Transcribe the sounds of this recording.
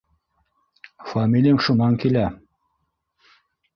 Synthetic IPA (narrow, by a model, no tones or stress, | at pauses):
famʲilʲijəmʃunɑŋkilæ